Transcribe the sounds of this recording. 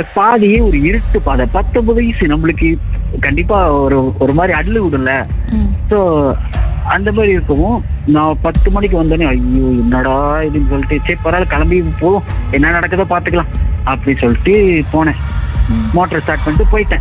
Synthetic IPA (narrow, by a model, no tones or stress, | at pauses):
paːðɪjeːɔɾɯɪɾɯʈːɯpaːðɛ̃pɐt̪ːɔmbɐðɐisɯnɐmːɐɭɯkːɯkɐɳɖɪpːaːɔɾɯɔɾɯmaːd̪ɾiɐɽɯlɯʋʊɽɯlːɐsoː | ɐnd̪ɐmaːd̪ɾiɪɾɯkːɐʋʊ̃nãːpɐt̪ːɯmɐnɪk̬ːɯʋɐnd̪aːneɐjːoːɛnːɐɽaɪðɯnːɯsɔlːɪʈːɯt͡ʃeːpːɐɾaːlkɐlɐmbipoːʋõɛnːanɐɽɐkːɐðãːpaːɾt̪ɯkːɐlãːɐpːɐɽisɔlːɪʈːɯpoːɳɛ̃ː | moːʈːɐɾsʈaːɾʈ̚mɐɳɖɯpoːjɪʈːɛ̃